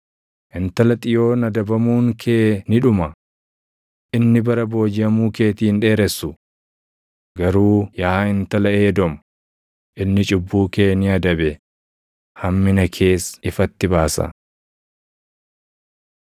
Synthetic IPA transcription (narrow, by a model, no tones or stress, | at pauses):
ʔɪnt̪ɐlɐt̪ʼɪjo̞ːnɐd̪ɐbɐmuːŋkʰeːnɪᶑʊmɐ | ʔʔɪnːɪbɐɾɐbo̞ːd͡ʒɪɐmuːke̞ːt̪iːnᶑe̞ːɾɛsːʊ | ɡɐɾuːjɐhaɪnt̪ɐlɐeːd̪ɔmɐ̥ | ʔɪnːɪt͡ʃʼʊbːuːke̞ːnɪɐd̪ɐbɛ | hɐmːɪnɐkʰe̞ːsɪfɐt̪ːɪbaːsɐ̰